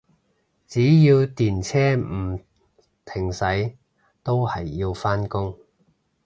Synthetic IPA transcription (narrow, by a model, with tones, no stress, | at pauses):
t͡siː˨˥jiː˧wt̪iː˨˩nt͡sʰɛː˥m̩˨˩ | t̪ʰɪ˨˩ŋsɐ˨˥j | t̪o˥whɐ˨jːi˧wfaː˥nkʊ˥ŋ